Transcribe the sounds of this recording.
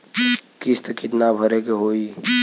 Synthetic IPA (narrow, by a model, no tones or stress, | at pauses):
kɪst̪kɪt̪nabʱəɾekeɦoːiː